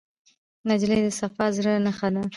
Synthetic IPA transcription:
nad͡ʒlejd̪əsafɑzɾanaxad̪a

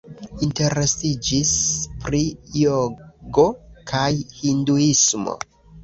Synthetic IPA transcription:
inte̞ɾestid͡ʒispɾijoɡo̞kʰajhinduismo̞̰

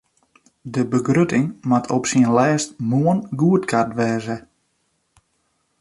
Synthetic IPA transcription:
dəbəɡrøtɪŋmatʰɔpsiənlɛːstmuənɡuətkʰartʋɛːzə

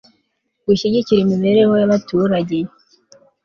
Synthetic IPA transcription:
ɡwiːʃeɟiciɾemiβe̞ɾe̞ho̞jaβatuːɾaɟe

